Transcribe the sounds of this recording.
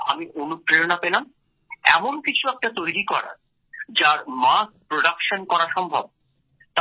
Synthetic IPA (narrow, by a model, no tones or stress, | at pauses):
a̰miʔonup̚ːɾeonapelam | ɛ̰monkit͡ɕʰuɛk̚ʈat̪ojɾikɔɾa̰ɾ | d͡ʑaɾmaspɾoɖakʃonkɔɾaʃɔmbʱab̚ | t̪